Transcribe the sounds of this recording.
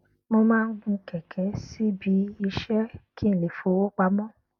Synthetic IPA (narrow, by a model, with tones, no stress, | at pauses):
mõ˧mãː˦˧n̩˦ɡ͡bũ˧˦kɛ˨kʰɛ˨˦si˦bi˨˦i˧ʃɛ˦kʰi˦˨le˨fo˨˦wo˦k͡pa˧˦mɔ̃˦